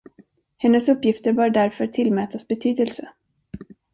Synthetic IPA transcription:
hɛnːəsɵpːjɪft̪əɾbœːɖæɾfœʈʰɪlmɛːt̪asbɛt̪ʰyːd̪əlsə

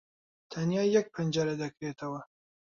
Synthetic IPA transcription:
t̪ʰɐnjɑːjɛk̚pʰɨnd͡ʒɑɾɐd̪ɐkɾeːt̪ʰɐwɐ

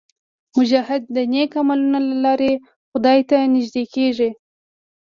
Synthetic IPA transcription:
mʊd͡ʒahɪd̪̚ːənekamalunalalɑɾe | xʊd̪ɑjt̪anɪʒd̪ekeʐi

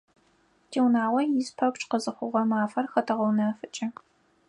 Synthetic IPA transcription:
tʰiːwnaːʁʷɐjɪspʰɐpt͡ʃʼqəzɨχʷʊʁɐmaːfɐrxɐtʰɐʁɐwnɐfɨt͡ʃʼɐ

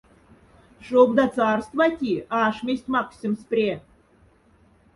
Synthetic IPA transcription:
ʂobd̪ɑt͡sɑrst̪vɑt̪ʲiɑʂmʲesʲtʲmɑksʲimsprʲe

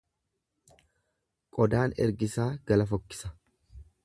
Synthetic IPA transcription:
kʼɔd̪aːnɛ̰ɾɡɪsaːɡ̥ɐlɐfɔkːɪ̥sɐ̥

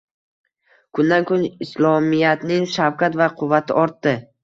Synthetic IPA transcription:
kʰʊnd̪ankʰʊnɪslˠɒmijat̪nɪŋʃawkʰʲat̪vaqʰʊvːat̪ʰɪʔɒɾt̪ːɪ

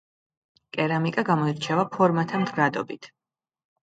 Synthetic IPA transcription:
kʼɛɾamikʼaɡamɔiɾt͡ʃʰɛvapʰɔɾmat̪ʰamd̪ɡɾad̪ɔbit̪ʰ

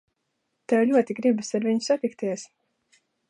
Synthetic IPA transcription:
t̪ɛwʎʲuɔt̪iɡɾibɨsaɾviɲu̥sat̪ikt̪iɛs

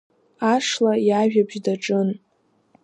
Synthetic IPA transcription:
aʂlajaʒᶣabʒdaʈ͡ʂʼɨn

